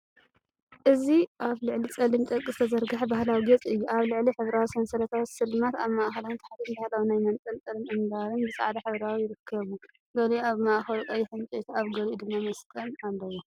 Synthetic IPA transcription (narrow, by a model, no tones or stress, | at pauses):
ʔɨziʔaβlɨʕlit͡sʼɐlɨnt̪ʼɐkʼːɨst̪ʰɐzɐɾɡaħbahlawiɡɐt͡sʼɨjːuʔaβlɨʕliħɨβɾawisɐnsɐlɐt̪ʰawsɨlmat̪aβmaʔxɐlant̪ʰaħat̪inbahlawinajmɐnt͡sʼɐlt͡sʼɐlɨnʔɨnd̪aɾɨnbɨt͡sʼa̰ʕd̪aħɨβɾawijɪɾɨkʰːɐβu | ɡɐlaβmaʔxɐɾukʼɐjiħɨnt͡ʃʼet̪ʰaβɡɐlid̪ɨmːamɐst̪ʼɐnalːɐwo